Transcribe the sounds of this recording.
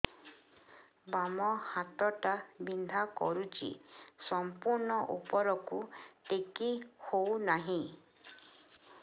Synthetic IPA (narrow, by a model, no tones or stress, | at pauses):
bamɔhat̪ɔʈabind̪ʱakɔ̰ɾut͡ʃḭsɔmpuɾɳɔʔupɔɾɔkut̪ekihownaɦĩ